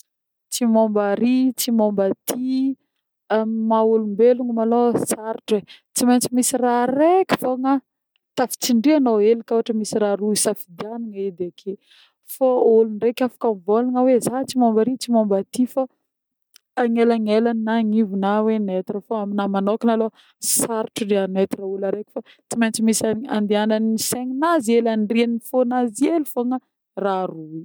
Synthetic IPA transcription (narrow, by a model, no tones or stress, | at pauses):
t͡simombaɾit͡simombat̪ʰi | amaulumbeluŋumalosaɾiʈ͡ʂet͡siment͡simisirarekʲi̥foŋa | t̪afi̥t͡siɳɖ͡ʐianoelikoɦaʈ͡ʂəmisiɾaɾuisafid̪ianaŋaid̪eakʰe | faolunrekʲafḁkamvolaŋawezat͡simombaɾit͡simombat̪ifa | ŋelaŋelaninaŋivunawenet̪rəfoaminamanokinalo | saɾʈ͡ʂudeanet̪iraulaɾekʲi̥fa | t͡simajnt͡simisaa̰nd̪eananiseŋinazielanrianifonazielufoŋə | rarui